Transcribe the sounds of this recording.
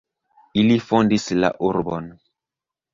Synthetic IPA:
ilifɔndisla̰ʔuɾbɔn

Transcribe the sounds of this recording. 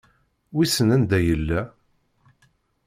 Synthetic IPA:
wisənænd̪æjəlːæ

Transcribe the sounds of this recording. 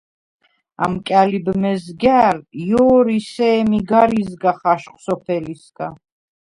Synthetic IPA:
a̰mkʼalibmɛzɡaɾjɔːɾisɛːmiɡaɾizɡaχaʃqʼsɔpʰɛlisɡ̥a

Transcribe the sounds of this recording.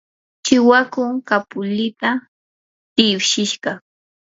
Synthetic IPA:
ʃɪwakʊŋkapʊlɪt̪a | t̪ɪwʃɪʃɢɑ

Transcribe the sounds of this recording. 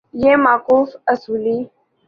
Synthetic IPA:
jemaːkuːfəsuːli

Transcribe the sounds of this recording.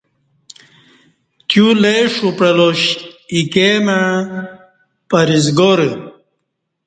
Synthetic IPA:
t̪juleʂupɽɐloɕikemaɻ | pɐɾizɡoɾə

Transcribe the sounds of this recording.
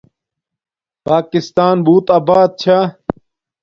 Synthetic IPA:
paːkist̪aːnbuːt̪aːbaːd̪̚t͡ɕʰaː

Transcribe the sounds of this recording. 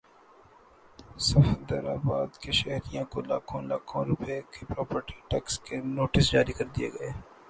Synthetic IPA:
sɐfd̪ɐɾaːbaːd̪keʃɛɦɾijãkola̰ːkʰõlaːkʰõːɾʊpekepɾɔːpəɾʈiʈɛkskenoːʈɪsd͡ʒaːɾikɐɾd̪ijḛɡɐeː

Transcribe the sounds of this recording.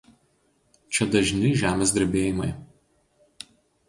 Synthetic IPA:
t͡ʃʲɛd̪ɐʒʲnʲɪʒʲæːmʲeːs̬ʲd̪ʲɛɾʲbʲeːjɪmɐɪ

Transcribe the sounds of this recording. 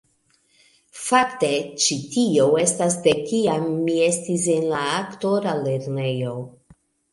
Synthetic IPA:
fakte̞t͡ʃitio̞we̞stasde̞kiamːie̞stis̬enlaːkto̞ɾale̞ɾne̞jo̞

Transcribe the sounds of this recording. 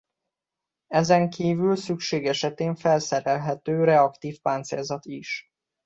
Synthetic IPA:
ɛzɛŋkʰiːvylsykʃeːɡɛʃɛt̪eːɱfɛlsɛɾɛlɦɛt̪øːɾɛɒkt̪iːfpaːnt̪selzɒt̪iʃ

